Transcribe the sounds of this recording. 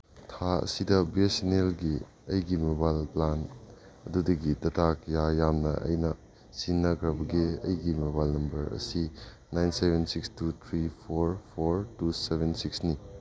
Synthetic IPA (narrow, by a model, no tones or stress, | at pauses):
tʰaɐ̰sidɐbiesinelɡi | ɐjɡimebalplan | ɐdudɐɡidɐtʰakjajamnɐɐ̰jnɐ | sinːɐkʰɾɐbɐɡiɐ̰jɡimebalnɐmbɐɾɐ̰si | najnsebʱensikstut̪ʰɾipʰoɾpʰoɾtusebʱensiksni